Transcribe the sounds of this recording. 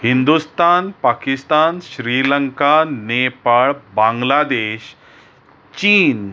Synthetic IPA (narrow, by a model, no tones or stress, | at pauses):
hind̪ust̪anpakist̪anɕɾiləŋkanepaɭbãŋɡlad̪eɕ | t͡ɕiːn